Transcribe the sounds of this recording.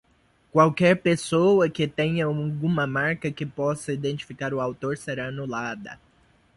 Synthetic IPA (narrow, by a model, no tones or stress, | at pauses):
kwawkɛɾpesowɐkɪt̪ẽɲɐɡũmɐmaɾkɐkɪpɔsɐid̪ẽnt͡ʃi̥fikaɾʊawt̪oɾseɾaɐnulad̪ɐ̰